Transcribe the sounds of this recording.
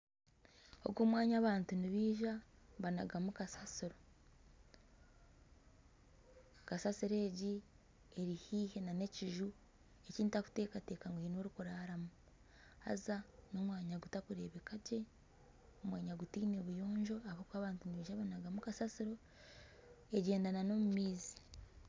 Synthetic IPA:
o̞̰ɡoːmwaːɲaːβaːntuniβiːʒaβanaɡamukasasiɾo | kasasiɾe̞ːɟi | e̞ɾihiːhe̞nane̞ciʒu | eciːntaku̥te̞ːkate̞ːkaŋɡwinoɾukuɾaaɾamu | a̰zano̞mwaːɲaɡutakuɾe̞ːβe̞kaɟe̞ | omwaːɲaɡutiːneβujo̞ːɲʒo̞aβokwaːβaːntuniβiːʒaβanaɡamukasasiɾo̞ | e̞ɟe̞ːndanano̞mumiːzi

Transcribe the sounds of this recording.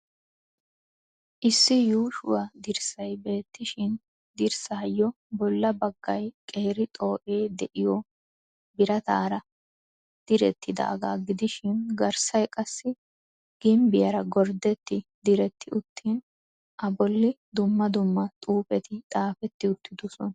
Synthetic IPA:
ʔɪsːɪjuːʃʊwad̪ɪɾsɐjbe̞ːt̪ːɪʃɪn | d̪ɪɾsajːɔ | bɔlːɐbɐɡːɐjkʼeːɾɪt̪ʼo̞ːʔe̞ːd̪ɛʔɪjɔ | bɪɾɐt̪a̰ːɾɐ | d̪̥ɪɾɛt̪ːɪd̪a̰ːɡa̰ːɡɪd̪ɪʃɪnɡɐɾsɐjkʼɐsːɪ | ɡ̥ɪmbɪjɐɾɐɡɔɾd̪ɛt̪ːɪd̪ɪɾɛt̪ːɪʊt̪ʰːin | ʔɐbɔlːɪ | d̪ʊmːɐd̪ʊmːɐt̪ʼuːpʼɛt̪ɪt̪ʼaːfɛt̪ːɪʊt̪ːɪd̪ʊsɔn

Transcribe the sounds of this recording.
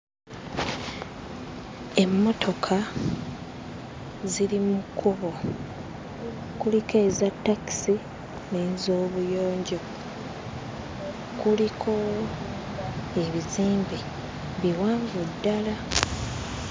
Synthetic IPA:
e̞mːo̞tʰo̞kʰa | zilimukʰuβo̞ | kulikeːzatːaki̥si | neːnzo̞ːβujo̞ːɲɟo̞ | kulikʰo̞ | e̞βiziːmbi | βiwaːŋɡudːala

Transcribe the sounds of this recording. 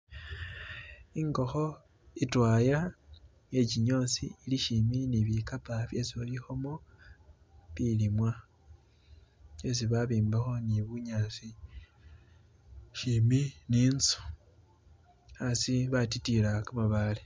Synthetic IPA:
iŋɡo̞xo | itwaːja | je̞ciɲo̞sḭːliʃiminiβikapaβje̞siolixomo | βilimwa | es̬iβaβiːmbaxo̞niβuɲaːsi | ʃiminiːnsu̥ | asiβatitilakamaβale

